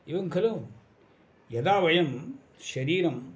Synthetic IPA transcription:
iʋɐŋkʰɐlom | jɐd̪aːʋɐjɐm | ʃɐɾiːɾɐm

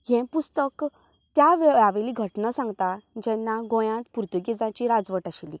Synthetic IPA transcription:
jɛ̃pust̪ək | t̪jaʋaʋeliːɡʱəʈnasãŋɡt̪ad͡ʑɛnːaɡõjãt̪puɾt̪uɡid͡zãt͡ɕiɾad͡zʋəʈaɕili

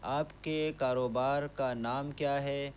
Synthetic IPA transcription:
aːpkekaːɾoːbaːɾkanaːmkjaːɦɛː

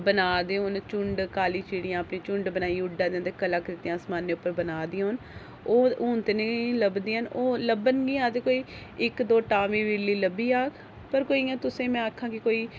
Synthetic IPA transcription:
bənaːd̪eːɦoːnt͡ʃʊɳɖkaːliːt͡ʃiːɽɪjãːəpneːt͡ʃʊɳɖbənaːiːʊɖãːd̪ẽːt̪eːkəlaːkəɾɪt̪ijãːsmaːnːeːʊpːəɾbənaːd̪iːɦoːn | oːuːnt̪eneːləbd̪iːɦənoːləbənɡiːãːt̪eːkoːiːɪkd̪oːʈaːʋiːʋiːlːiːləbːiːaːkʰ | pəɾkoːiːãːt̪ʊsẽːmɛ̃ːaːkʰːãːkɪkoːiː

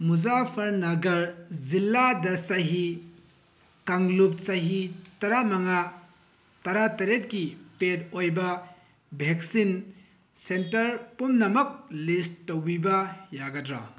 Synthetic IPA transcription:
muzapʰɐɾnɐɡɐɾzilːadɐsaɦi | kaŋlup̚saɦitɐɾamaŋa | tɐɾatɐɾet̚kipetojbɐ | bʱek̚sin | sentɐɾpumnɐmɐk̚listːowbibɐjaɡɐdɾa̰

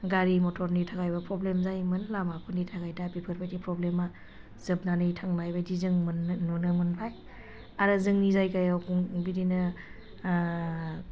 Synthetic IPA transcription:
ɡaɾimɔtʰɔɾnitʰaɡajbapɾɔblemzajmɯnlamapʰɯnitʰaɡajdapipʰɯɾpʰajtipɾɔblema | z̥ɯb̚nanɯjtʰaŋnajbajdizɯŋmnnɔnɯmɯnpʰaj | aɾɯzɯŋnizajkajawkuŋbidinɯ

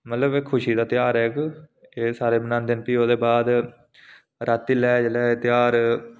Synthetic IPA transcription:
mət̪ləbeːkʰːʊʃiːd̪aːt̪ɪjaːɾɛːkeːsaːɾeːbənãːnd̪ɪnpiːoːd̪eːbaːd̪ | ɾət̪ːiːlɛːd͡ʒelɛːt̪jaːɾ

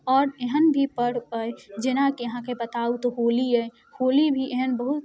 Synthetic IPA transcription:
ɔːɾeɦənbʱipəɽ̤bəed͡ʒɪnãkijɐɦãkebət̪aːut̪oɦoːliɛ | hoːlibʱiʔeɦənbəɦut̪

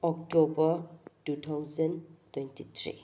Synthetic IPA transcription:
ɔktɔbɐtutʰawzɐntujntitʰɾḭ

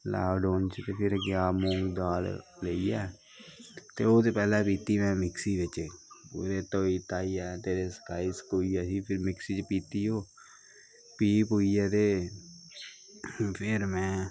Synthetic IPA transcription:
la̰ːɖoːnt͡ʃt̪eːpʰɪɾɡjaːmõːŋɡd̪aːlləiːɛː | t̪eːoːt̪eːpɛːlɛːpiːt̪iːmɛ̃ːmɪksiːʋɪt͡ʃpṵːɾeːt̪oːiːt̪aːiːɛːt̪eːɾeːsə̥kaːiːsə̥koːiːɛːsiːpʰɪɾmɪksiːt͡ʃpiːt̪iːɦoː | piːpɦoːiːɛːt̪eː | pʰɪɾmɛ̃ː

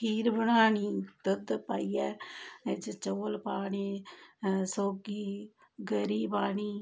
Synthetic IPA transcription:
iːɾbənaːniːt̪əd̪paːiːɛːd͡ʒt͡ʃoːlpaːɳiː | soːɡiː | ɡəɾiːbaːɳiː

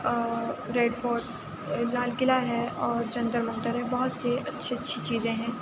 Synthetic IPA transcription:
ɾeːɖfɔːɾɖ | laːlɡɪlaɦɛ̃ʔɔːɾd͡ʒɐ̃nd̪əɾmɐ̃nd̪əɾɦɛ̃bɐɦʊt̪seʔɐtːʃʰiɐtːʃʰit͡ʃiːzẽɦɛ̃ː

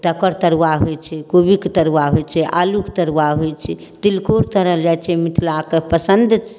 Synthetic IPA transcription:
t̪əkəɾt̪əɾwaɦojt͡ʃʰɛkobikt̪əɾwaɦojt͡ʃʰɛʔalukt̪əɾwaɦojt͡ʃʰɛ | t̪ilkoɾt̪əɾəɦld͡ʒajt͡ʃʰɛmit̪ʰlakepəsənd̪t͡ʃ

